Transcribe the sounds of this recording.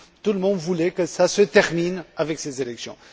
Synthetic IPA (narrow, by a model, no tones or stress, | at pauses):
t̪uləmɔ̃d̪vulɛkəsasət̪ɛʁminavɛksezelɛksjɔ̰̃